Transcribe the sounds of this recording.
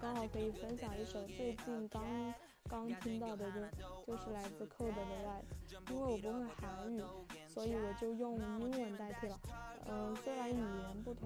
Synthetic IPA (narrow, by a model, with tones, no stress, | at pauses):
kɑ˥ŋxɑ˨˩ʊkʰɤ˧˥i˨˩fə˥nɕjɑ˨˩ŋi˧˥ʂo˨˩ʊt͡swe˥˧ɪt͡ɕi˥˩nkɑ˥ŋ | kɑ˥ŋt̪ʰi˥ŋt̪ɑ˥˩ʊd̪ə˩t͡ɕjo˥˧ʊt͡ɕjo˥˧ʊʂɻ̩˥˩la˧˥ɪt͡sɹ̩˥˧kʰɤ˥˩d̪ə˨˩d̪ə˧la˥˩ɪd͡zɹ̩˨˩˦i˥nwe˥˩ɪwɔ˨˩p̬u˧˥xwe˥˩ɪxa˧˥ɪy˥˩swɔ˧˥i˧˥wɔ˨˩t͡ɕjo˥˧ʊjʊ˥˧ŋi˥nwə˧˥˩nt̪a˥˩ɪt̪ʰi˥˩lə˩ə˥˧swe˥ɪɻa˧˥ny˨˩jɛ˧˥npu˥˩t̪ʰʊ˧˥ŋ